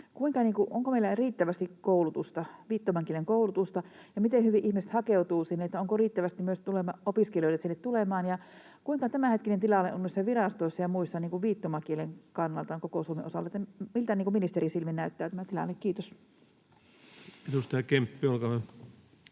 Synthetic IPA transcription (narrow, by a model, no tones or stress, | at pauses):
kuiŋkɑniːŋkuʔoŋkomeilæriːt̪ːæʋæst̪ikkoulut̪ust̪ɑʋiːt̪ːomɑŋkieleŋkoulut̪ust̪ɑ | jɑmit̪enhyʋiʔihmise̥t̪hɑkeut̪uːsinːeet̪ːæoŋkoriːt̪ːæʋæst̪imyøst̪ulemɑopiskelijoˑilet̪sinːet̪tulemɑːnjɑ | kuiŋkɑt̪æmæhet̪kinent̪ilɑlḛʔonːisːɑʋirɑst̪oisːɑjɑmuisːɑniːŋkuʋʋiːt̪ːomɑkieleŋkɑnːɑlt̪ɑŋkokosuomeʔosɑlːɑet̪ːɑmilt̪æniːkuminist̪erisilminæyt̪ːæːt̪æmæt̪ilɑ̰lːekkiːt̪os | edust̪ɑjɑkempːiolkɑe